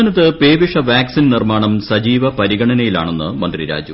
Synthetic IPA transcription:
ɐnɐt̪ːɨpe̞ːʋiʂɐʋaːksinnirmaːɳɐmsɐd͡ʑiːʋɐpɐɾiɣɐɳɐnɐjila̰ːɳe̞nːɨmɐnd̪riɾa̰ːd͡ʑu

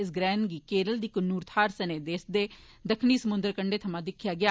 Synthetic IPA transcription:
ɪs̬ɡɾɛ̃ːnɡiːkeːɾəld̪iːkənːuːɾt̪ʰaːɾsəneːd̪eːsd̪eː | d̪əkʰniːsəmʊnd̪əɾkəɳɖeːt̪ʰəmãːd̪ɪkʰːjaːɡɪaː

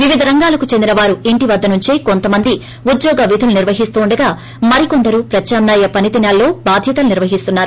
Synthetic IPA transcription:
ʋiʋid̪ʱɐɾɐŋɡaːlɐkut͡ʃend̪inɐʋaːɾueɳʈiʋɐd̪ːɐnuɲt͡ʃiːko̞nt̪ɐmɐnd̪i | ud̪jɔːɡɐʋid̪ʱuluniɾʋɐɦist̪uːɳɖɐɡaː | mɐɾiko̞nd̪ɐɾupɾɐt͡ʃʃaːmnaːjɐpɐnit̪inaːlːo̞ːbaːd̪ʱjɐt̪ɐluniɾʋɐɦist̪unːaːɾu

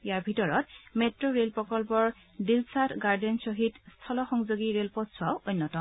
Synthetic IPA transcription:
ijaɹbʱitɔɹɔtmetɹɔɹelpɹɔkɔlpɔɹ | dilsatɡaɹdɛnsɔɦitstʰɔlɔxɔŋzoɡiɹelpɔtsʊwaʊojnːɔtɔ

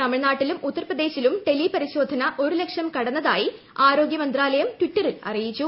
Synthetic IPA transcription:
t̪ɐmiɻnaːʈːilumut̪ːɐrprɐd̪e̞ːɕilumʈe̞lːipɐɾiɕo̞ːd̪ʱɐnɐʔo̞ɾule̞kʂjɐmkɐɽɐnːɐða̰ːji | aːɾo̞ːɡjɐmɐnd̪raːlɐjɐmʈwiʈːɐrilɐ̰rijit͡ɕːu

